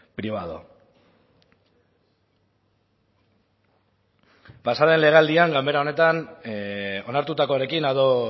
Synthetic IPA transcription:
pɾiβ̞aðo̰ | pasaðe̞nle̞ɣeald̪iaŋɡambe̞ɾao̞ne̞t̪an | o̞naɾt̪ut̪ako̞aɾe̞kinaðo̞

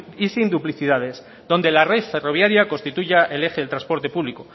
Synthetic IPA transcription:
isind̪upliθiðað̞e̞s | ðo̞nd̪e̞lare̞ðfe̞ro̞β̞jaɾjako̞nst̪it̪uʝaʔe̞le̞xeelt̪ɾaspo̞ɾt̪e̞puβliko

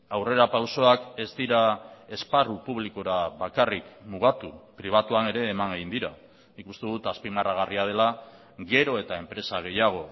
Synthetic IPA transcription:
awre̞ɾapawso̞ake̞zd̪iɾae̞sparupuβliko̞ɾaβakarikmuɣ̞at̪upɾiβ̞at̪uane̞ɾe̞ːmaŋɡeind̪iɾa | nikust̪e̞ðut̪aspimaraɣ̞ariað̞e̞la | ɡe̞ɾo̞e̞t̪ae̞mpɾe̞saɣ̞e̞jaɣ̞o̞

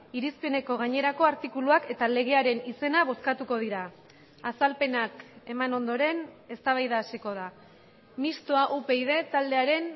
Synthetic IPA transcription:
iɾispe̞ne̞ko̞ɣ̞aɲe̞ɾako̞aɾt̪ikuluake̞t̪ale̞ɣ̞e̞aɾe̞nise̞naβ̞o̞skat̪uko̞ð̞iɾaː | salpe̞nake̞mano̞nd̪o̞ɾe̞ne̞st̪aβajðaːsiko̞ð̞a | mist̪oaʔupe̞iðe̞t̪ald̪e̞aɾe̞n

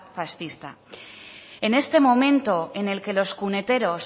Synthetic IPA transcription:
fasθist̪a̰ | e̞ne̞st̪e̞mo̞mẽ̞nt̪o̞ene̞lke̞lo̞skune̞t̪e̞ɾo̞s

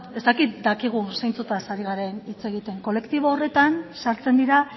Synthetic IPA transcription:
e̞st̪akit̪̚d̪akiɣ̞usejnt͡sut̪asaɾiɣ̞aɾe̞nit͡se̞ɣit̪e̞ŋko̞le̞kt̪iβoːre̞t̪ansaɾt͡se̞nd̪iɾa

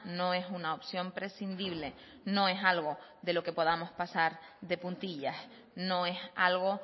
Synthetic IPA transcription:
nõ̞e̞sunaopsjõ̞mpɾe̞sind̪iβle̞ | nõ̞e̞salɣo̞ðe̞lo̞ke̞po̞ð̞amo̞spasaɾðe̞pũnt̪iʎas | no̞e̞salɣ̞o̞

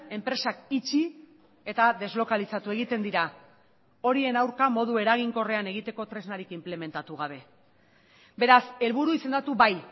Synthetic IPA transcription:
e̞mpɾe̞sakit͡ʃi | e̞t̪aðe̞zlo̞kalisat̪ue̞ɣ̞it̪e̞nd̪iɾa | o̞ɾie̞nawɾkamo̞ðue̞ɾaɣ̞iŋko̞re̞ane̞ɣ̞it̪e̞ko̞t̪ɾe̞znaɾikimple̞me̞nt̪at̪uɣ̞aβ̞e̞ | be̞ɾase̞lβuɾuise̞nd̪at̪uβaj

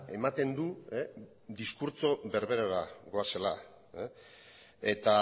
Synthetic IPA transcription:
e̞̰mat̪e̞nd̪ue | d̪iskuɾt͡so̞βe̞ɾβe̞ɾaɾaɡo̞ase̞la̰ | e̞t̪a

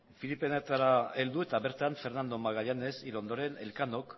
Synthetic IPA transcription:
filipe̞net̪aɾae̞ld̪ue̞t̪aβe̞ɾt̪aɱfe̞ɾnand̪o̞maɣaʎane̞silo̞nd̪o̞ɾe̞ne̞lkano̞k

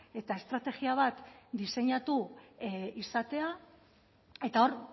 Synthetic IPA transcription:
e̞t̪ae̞st̪ɾat̪e̞ɣiaβ̞at̪d̪ise̞ɲat̪u | isat̪e̞a | e̞t̪ao̞ɾ

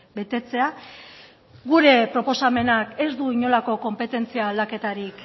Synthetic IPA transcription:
be̞t̪e̞t͡se̞a | ɣuɾe̞pɾo̞po̞same̞nake̞zd̪uiɲo̞lako̞ko̞mpe̞t̪e̞nt͡siaːld̪ake̞t̪aɾik

